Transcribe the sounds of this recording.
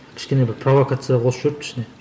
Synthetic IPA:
kʲʰɪ̥ʃkʲe̞nebɪɾpʰrovokat̪sɨjawʰosəʒ̥ʏɾɪp̚kʲʰɪ̥ʃɪne̞

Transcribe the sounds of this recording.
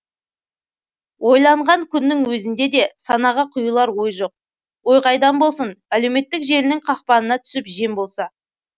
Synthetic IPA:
wʔo̞jlˠɑɴʁɑŋkʲʰʏnːɪŋwɵzɪnd̪e̞d̪e̞sɑnɑʁəqʰʊjulˠɑɾwo̞jʒo̞q̚ | wo̞jqɑjd̪ɑnbo̞lˠsənæle̞wme̞t̪ːɪkʒe̞lɪnɪŋqʰɑqpɑnənɑt̪ʰʏ̥sɪpʒe̞mbo̞lˠsɑ

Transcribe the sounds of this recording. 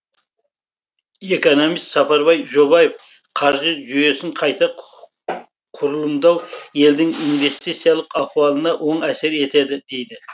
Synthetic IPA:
e̞ko̞no̞mijst̪sɑpɑɾbɑjʒo̞βɑjef | qʰɑɾʒəʒyje̞sɪŋqʰɑjt̪ɑ | qʰʊɾəlˠəmd̪ɑwje̞ld̪ɪŋinve̞st̪it̪sijɑlˠəqɑqwɑlˠənɑʔo̞ɴæse̞ɾe̞t̪e̞d̪ɪd̪e̞jd̪ɪ

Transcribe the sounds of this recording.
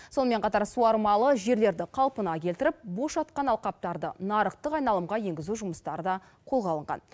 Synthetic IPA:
so̞nəme̞ɴqʰɑt̪ɑɾsuɑɾmɑlˠəʒe̞ɾle̞ɾd̪ɪqʰɑlˠpənɑkʲe̞lt̪ɪɾɪp̚bo̞ʃɑt̪qɑnɑlˠqɑp̚t̪ɑɾd̪ə̰nɑɾəqt̪əqɑjnɑlˠəmʁɑje̞ŋɡʲɪzuʒʊməst̪ɑɾəd̪ɑ | qʰo̞lˠʁɑlˠəɴʁɑ̰n

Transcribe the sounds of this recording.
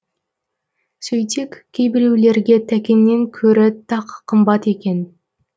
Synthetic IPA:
sɵjt̪ekʲkʲʰːejbɪɾewle̞ɾɡʲe̞t̪ʰækʲe̞nːe̞ŋkʲʰɵɾɪt̪ʰɑqʰːəmbɑt̪e̞kʲe̞n

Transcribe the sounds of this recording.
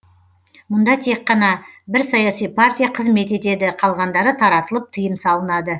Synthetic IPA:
mʊnd̪ɑt̪ʰe̞qːɑnɑbɪɾsɑjɑsijpʰart̪ʲijaqʰəzme̞t̪e̞t̪e̞d̪ɪqʰɑlˠʁɑnd̪ɑɾət̪ʰɑɾɑt̪əlˠəp̚t̪ʰəjəmsɑlˠənɑd̪ə

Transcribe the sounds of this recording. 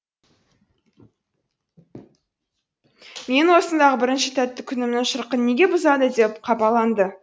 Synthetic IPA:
me̞nwo̞sənd̪ɑʁəbɪɾɪnʃɪt̪ʰæt̪ːɪkʲʰʏnɪmnɪŋʃəɾqənːe̞ɡʲe̞bʊzɑd̪əd̪e̞pqʰɑpɑlˠɑnd̪ə

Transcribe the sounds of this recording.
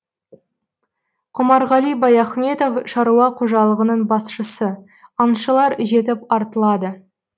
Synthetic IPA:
qʰʊmɑɾʁɑlˠijbɑjæχme̞t̪o̞fʃɑɾuɑqʰuʒɑlˠəʁənəɴbɑsʃəsə | ɑnʃəlˠɑɾʒe̞t̪̬ɪpɑɾt̪əlˠɑd̪ə

